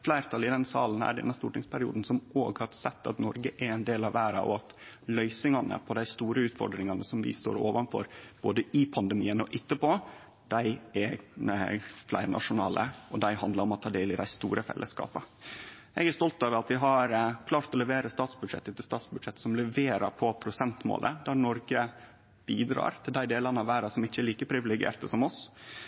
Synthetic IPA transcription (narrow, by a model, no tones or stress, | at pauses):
flæɪɾt̪ʰɑlɪd̪ɛnsɑ̰ːln̩æ̰ɖɛ̰nːɑst̪uːʈɪŋspʰæɾɪṵːd̪n̩sɔmoːɡhɑɾsɛt̪ːɑ̰t̪nɔɾɡəʔæɾɛnd̪eːlɑʋæːɾɑ̰ɔ̰ɑt̪lœʏsɪŋɑnə̰pʰɔd̪æɪst̪uːɾəʉːt̪fɔ̰ɖɾɪŋɑnəsɔmʋɪ̰st̪o̰ːɾo̰ːʋɑnfɔ̰ɾb̥oːd̪əɪpʰɑnd̪əmiːənɔʔɪt̪ːəpo | d̪̥æɪæ | flæ̰ɪɾnʔɑ̰ʂʊnɑːlʔə̰ɔd̪æɪhɑnd̪lɑɾɔmɔt̪ʰɑːd̪eːlɪd̪æɪst̪ṵːɾʔəfɛ̰lʔəskɑ̰ːpə | ʔɛɡæɾst̪ɔlt̪ɑːʋəɾɑt̪ʋɪɦɑɾkʰlɑːɾt̪ɔlɛʋeːɾəst̪ɑːt̪sbʉd̪ʂɛ̰t̪ːət̪ːɪst̪ɑːt̪sbʉd̪ʂɛt̪ːsɔmlɛʋeːɾɑ̰pʰɔpʰɾʊsɛnt̪mo̰ːlʔə̰d̪æɾnɔɾɡə | b̥iːd̪ɾɑ̰ːɾt̪ʰɪld̪æɪd̪eːlɑnəɑʋæːɾɑsɔmɪçːəɛliːkəpʰɾɪʋɪlɛɡɪḛːɾt̪əsɔmɔs